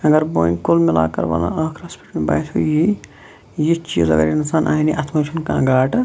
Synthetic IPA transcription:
ɐɡɐɾboːĩkolmila̰ːkɐɾbɐ̰lã̰ɐkʰɾɐspʰi̥ʈmeba̰ːjt̪ʰuji | jit͡ʃiːzɐ̰ɡɐ̰ɾinsaːnʔaːiniʔɐt̪ʰmɐt͡ʃʰunkãːɡaːʈ

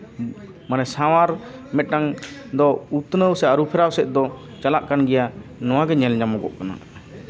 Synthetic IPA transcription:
manɛsawaɾmɛʈaŋd̪ɔut̪nəwsɛaɾupʰɛɾawsɛt̪̚ˀd̪ɔ | t͡ʃalaʔkanɡɛjanɔwaɡɛɲɛld͡ʒamɔɡɔ̰ʔkana̰

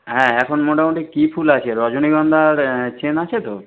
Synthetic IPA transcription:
ɦɛ̃ɛkʰonmoʈamoɳʈekipʰulat͡ɕʰeɾɔd͡ʑoniɡɔnd̪ʱaɾt͡ɕenat͡ɕʰet̪o

